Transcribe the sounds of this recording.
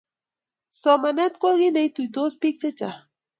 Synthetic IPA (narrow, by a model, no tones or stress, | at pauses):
somanat̪koɣinajt̪ujt̪ospik̚t͡ʃat͡ʃa̰